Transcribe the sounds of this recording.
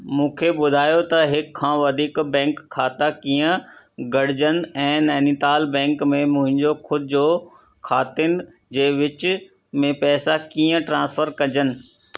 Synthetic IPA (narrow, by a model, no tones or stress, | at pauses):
mũːkʰeɓʊd̪ʱaːjot̪ɐɦɪkʰːãːʋɐd̪ʱiːkbɛ̃ːŋkʰːaːt̪akiːə̃ | ɡɐɽ̤d͡ʑənɛ̃ːnɛːnit̪aːlbɛ̃ːŋkmẽmʊ̃ɦɪ̃ɲd͡ʑokʰʊd̪̚ʱd͡ʑo | kʰaːt̪ɪn | d͡ʑeːʋɪt͡ɕ | mẽpɛːsakiːə̃ʈɾãːsfʰəɾkɐ̃d͡ʑənɪ̆